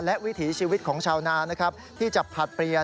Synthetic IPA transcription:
lɛ˦˥ʔwi˦˥t̪ʰiː˩˦t͡ɕʰiː˧wi˦˥t̪̚kʰɔː˩˦ŋt͡ɕʰaː˧wnaː˧˥na˦˥kʰɾa˦˥p̚t̪ʰiː˥˩t͡ɕa˨˩pʰa˨˩t̪̚pɾi˧ə

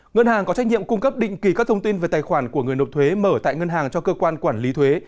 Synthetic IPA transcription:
ŋə˧nhaː˨˩ŋkɔ˨˦t͡ɕa˦˥k̟̚ɲḭ˧˨əmkʊ˧ŋ͡mkə˦˥p̚ɗḭ̈˧˨ŋ̟ki˨˩kaː˦˥k̚t̪ʰə˧ŋ͡mt̪i˧nve˨˩t̪aː˨˩jxwaː˧˩nku˧˩əŋɨ˨˩əjno˨˩t̚t̪ʰwe˨˦məː˧˩t̪a̰ː˧˨jŋə˧nɦaː˨˩ŋt͡ɕɔ˧kəː˧kwaː˧nkwaː˧˩nli˨˦t̪ʰwe˨˦

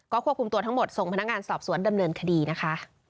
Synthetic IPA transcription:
kɔː˥˩kʰu˥əp̚ku˧mt̪ət̪ʰa˦˥ŋmo˨˩t̪̚so˨˩ŋpʰa˧n˦˥k̚ŋaː˧nsɔː˨˩p̚su˩˦ənda˧mnɤː˧nkʰa˧diː˧na˦˥kʰa˦˥ʔ

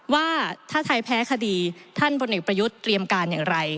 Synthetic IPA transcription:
waː˥˩t̪ʰaː˥˩t̪ʰa˧jpʰɛː˦˥kʰa˧diː˧t̪ʰa˥˩npʰo˧nʔe˨˩k̚pɾa˧ju˦˥t̪ːɾi˧əmkaː˧njaː˨˩ŋɾa˧j

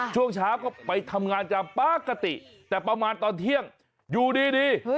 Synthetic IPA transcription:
t͡ɕʰu˥˩əŋt͡ɕʰaː˦˥wkɔː˥˩pa˧jt̪ʰa˧mŋaː˧nt͡ɕaː˨˩k̚paː˧˩ka˧t̪ḭ˨˩ʔt̪ɛː˨˩pɾa˧maː˧nt̪ɔː˨˧nt̪ʰi˥˩əŋ | juː˨˩diː˧diː˧

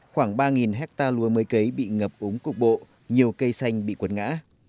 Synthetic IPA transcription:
xwaː˧˩ŋɓaː˧ŋi˨˩nɦɛ˦˥k̚t̪aː˧lu˨˦əməː˨˦jkə˨˦jɓḭ˧˨ŋə˨˩p̚ʔu˨˦ŋ͡mkʊ˨˩k͡p̚ɓo̰˧˨ | ɲi˨˩əwkə˧jsa˧jŋ̟ɓḭ˧˨kwə˨˦nŋa̰ː˧˥

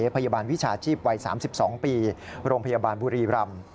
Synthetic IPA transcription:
pʰa˧jaː˧baː˧nwi˦˥t͡ɕʰaː˧t͡ɕʰiː˥˩p̚wa˧jsaː˩˦msi˨˩p̚sɔː˩˦ŋpiː˧ɾoː˧ŋpʰa˧jaː˧baː˧nbuː˧ɾiː˧ɾa˧m

